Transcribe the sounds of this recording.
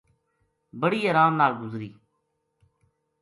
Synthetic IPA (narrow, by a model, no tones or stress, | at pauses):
bəɽiːəɾãːmnaːlɡʊzɾiː